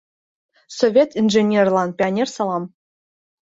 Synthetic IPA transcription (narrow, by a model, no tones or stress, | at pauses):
sovʲet̪inʐenʲerlˠɑnpʲianʲersɑlˠɑm